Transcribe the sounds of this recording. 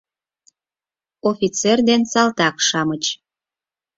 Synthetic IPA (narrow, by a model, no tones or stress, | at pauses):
ofʲit͡serd̪ensɑlt̪ɑkʃɑmət͡ɕ